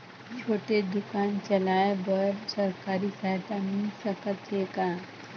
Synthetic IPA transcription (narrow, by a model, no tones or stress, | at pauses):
t͡ʃʰoːʈed̪ʊkaːnt͡ʃɐlaːebəɾsɐɾkaːɾisaːɦt̪amĩsəkət̪eːkãː